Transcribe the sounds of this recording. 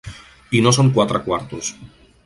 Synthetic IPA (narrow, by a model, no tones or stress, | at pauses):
inosoŋkwat̪ɾakwaɾt̪us